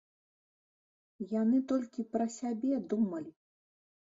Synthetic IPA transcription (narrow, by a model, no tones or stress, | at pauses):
janɨt̪ɔlʲkʲipɾɐsʲabʲɛd̪umɐlʲi